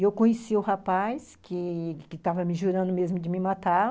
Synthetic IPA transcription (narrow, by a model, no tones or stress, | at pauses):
ewkõɲesiʊhapajskʰɪkɪt̪avɐmɪʒuɾɐ̃nd̪ʊmezmʊd͡ʒɪmɪmat̪a